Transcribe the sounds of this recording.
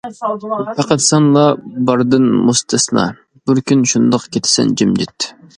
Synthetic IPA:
pʰɑqæt̪sɑnlˠɑbɑɾd̪ɨnmust̪ʰɨsɨnɑ̰ | b̥ɪɾkʲynʃund̪ɑqkʲʰet̪ʰɪ̥sɪ̰nd͡ʒimd͡ʒɪt̪ʰː

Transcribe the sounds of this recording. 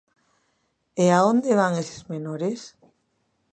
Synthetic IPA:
eaond̪eβaŋese̥zmenoɾes

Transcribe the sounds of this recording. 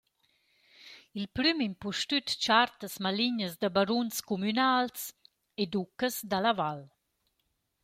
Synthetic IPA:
ilpɾymimpuʃtyt̪t͡ʃart̪əsmaliɲəzd̪abaɾunskumynals | ed̪ukəsd̪alaval

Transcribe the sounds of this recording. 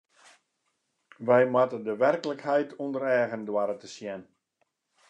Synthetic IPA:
ʋɛjmatədəʋɛrkləkhɛjtʰundəɾɛːɣəndwaɾətəsjɛn

